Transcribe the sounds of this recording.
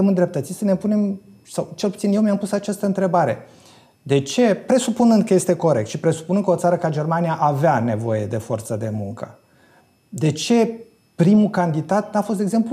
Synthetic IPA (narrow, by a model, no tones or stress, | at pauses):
əmɨnd̪ɾep̚t̪ət̪sisəne̞pune̞m | sawt͡ʃe̞lput̪sinjewmiampusat͡ʃast̪əɨnt̪ɾe̞baɾe̞̰ | d̪e̞t͡ʃe̞pɾe̞supunɨnd̪̚kəje̞st̪e̞ko̞ɾek̚t̪ʃipɾe̞su̥punɨnd̪kəo̞t̪saɾəkad͡ʒe̞rmanijaʔaveane̞vo̞̰je̞d̪e̞fo̞rt̪səd̪e̞muŋkə | d̪e̞t͡ʃe̞ | pɾimukand̪id̪at̪nafost̪eɡze̞mplu